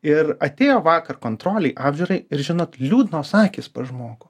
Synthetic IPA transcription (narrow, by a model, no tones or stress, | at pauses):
ɪɾɐt̪ʲeːjoːʋɑːkɐrkoːnt̪ɾoːlʲɛɪʔɑːbʲʒʲuːɾɐɪɪɾʒʲɪnoːt̪lʲuːd̪noːsɑːkʲiːspɐʒmoːɡʊ